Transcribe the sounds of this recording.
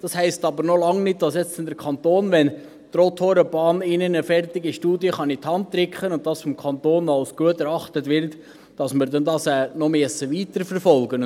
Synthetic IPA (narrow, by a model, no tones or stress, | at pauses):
d̥ɑshæɪstɑːbəɾnolɑŋnɪt̚d̥ɑsjɛt͡stɪndəɾkʰɑnt̪oːnʋɛn | t̪ɾot̪hoːɾəb̥ɑːnɪnənəfɛrtɪɡiʃtuːdiəχɑnɪt̪hɑnt̚tɾɪkχənʊnt̚d̥ɑsfɔmkʰɑnt̪oːnɑʊsɡ̥uətɛɾɑχtətʋɪɾt | d̥ɑsmɪɾdɛndɑsɛːnɔmeːsəʋiːtəɾfəɾfɔlɡən